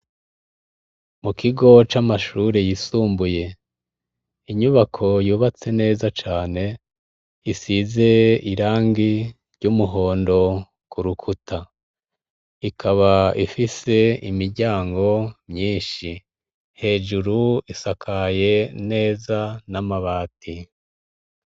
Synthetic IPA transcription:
mukʰiɡo̞t͡ʃamaʃuːɾejisuːmbuje̞ | iɲuβakʰo̞juːβat͡se̞ne̞ːzat͡ʃaːne̞ | isize̞iɾaːŋɡi | ɾɟumuɦo̞ːndo̞ | kuɾukʰutʰa | ikʰaβaifise̞imiɾɟaːŋɡo̞mɲiːnʃi | he̞ːd͡ʒuɾuisakʰaje̞ne̞ːzanamaβaːti

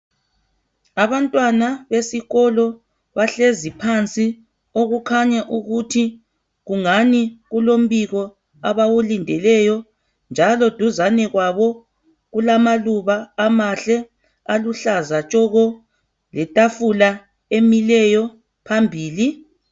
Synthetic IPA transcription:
aβantʼwanaβesiɣɔlɔ | βaɬezipʰant͡sʼi | oɣukʰaɲaʔuɣutʰi | ɣuŋaniɣulom̩βiɣɔ | aβawulindʱɛlɛjɔ | nd͡ʒʱalɔd̥ʱuzanɛɣwaβɔ | ɣulamaluβaːmaɬɛ | aluɬazat͡ʃʼɔɣɔ | lɛtʼafula | emilɛjɔ | pʰambʱiːli

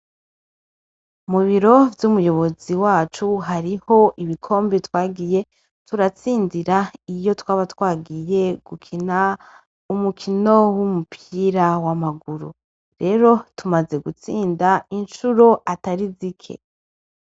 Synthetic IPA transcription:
muβiɾo̞vjumujo̞βo̞ziwaːt͡ʃuɦaɾiho̞ʔiβikʰo̞ːmbitwaːɡije̞ | tʰuɾat͡siːndiɾaijo̞twaːβatwaːɡije̞ɡ̥ukʰina | umukʰino̞wumupʰiɾawamaɡuɾu | ɾe̞ːɾo̞tumaze̞ɡut͡siːndainʃuɾoʔataɾizikʰḛ

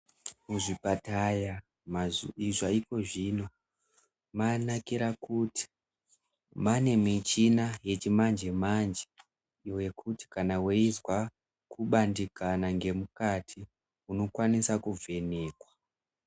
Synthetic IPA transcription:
muʐipataja | maiʐaiko̞ʐino̞ | manakiɾakuti̥ | mane̞mit͡ʃinaje̞t͡ʃimand͡ʒe̞mand͡ʒe | iwe̞kʰuti̥kanaweizwa | kuɓandikanaŋɡe̞mukatʰi | uno̞kwanisakuvʱe̞ne̞ːkwa

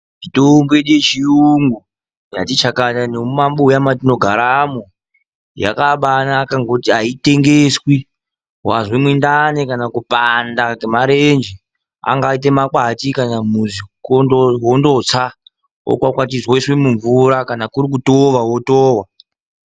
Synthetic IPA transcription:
mitombeɗiet͡ʃiuŋɡu | ja̰tit͡ʃakatanomumamɓoujamatino̞ɡʱaɾamo | ja̰kaɓanaːkaŋɡo̞tiaite̞ŋɡeswi | ɦwazwemwindanekanakupandakemaɾend͡ʒi | a̰ŋɡait̬e̞makwatikanamuzikooɦondo̞t͡sa | o̰kwakwatizwoiswemuɱvuɾakanakuɾik̬utoʋawotoːwa

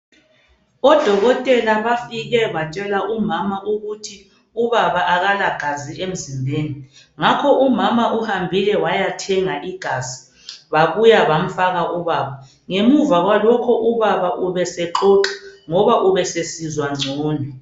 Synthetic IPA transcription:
ɔd̥ʱɔɣɔtʼɛlaβafiɣɛβat͡ʃʼɛlaʔumamaʔuɣutʰi | uβaβaʔaɣalaɡ̥ʱaziʔem̩zimbʱeːni | ŋakʰɔʔumamaʔuhambʱilɛwajatʰɛŋaʔiɡ̥ʱazi̥ | βaβujaβam̩faɣaʔuβaːβa | ŋemuvaɣwalɔkʰɔʔuβaβaʔuβɛsɛǃɔǁɛ̥ŋɔβaʔuβɛsesizwaŋ͡ǀʱɔːnɛ

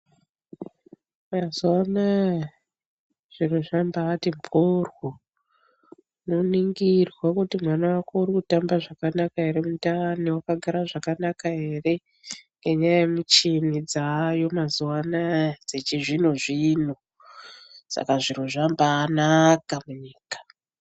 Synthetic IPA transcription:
mazuwana | ʐ̥iruʐambaːtimpʰorwo | noniŋɡirwakutimwanawakourikutambaʐakanakaɦe̞ɾe̞mutaniwakaɡʱaɾaʐakanakaɦe̞ːre̞ | ŋɡe̞ɲajajemut͡ʃinid͡zajo̞mazuwanad͡zet͡ʃiʐinuʐiːn̤u | sa̰kaʐinuʐambaːnakamuɲiːkḁ

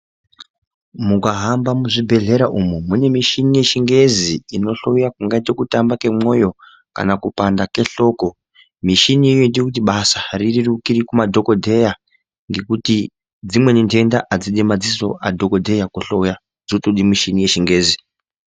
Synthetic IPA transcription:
mukaɦambamuʐibʱe̞ɮe̞ɾaʔumumune̞miʃinije̞ʃiŋɡe̞ziːno̞ɬo̞ujakuŋɡaitokutambake̞mo̞jo̞ | ka̰nakupandake̞ɬo̞ko̞ | miʃiniːjoindiokut̬iɓasaririrukiɾikumadʱo̞ko̞dʱe̞ja | ŋɡe̞kuti | d͡zimwe̞ninte̞ndaʔad͡ziɗimad͡ziso̞̰ʔadʱo̞ko̞dʱe̞jakuɬouja | d͡zotoɗimiʃinije̞ʃiŋɡe̞ːzi

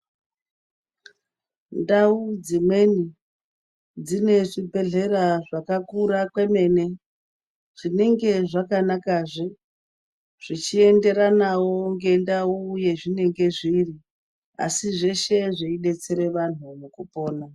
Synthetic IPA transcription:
ndaud͡zimwe̞ni | d͡zine̞ʐibʱe̞ɮe̞ɾaʐakakuɾakwe̞me̞ne̞ | ʐ̥ine̞ŋɡe̞ʐakanakaʐi | ʐ̥it͡ʃie̞nde̞ɾanawo̞ŋɡe̞ndauje̞ʐine̞ŋɡe̞ʐiri | a̰siʐe̞ʃe̞ʐeiɗe̞t͡se̞ɾe̞ʋan̤umukupo̞ːna

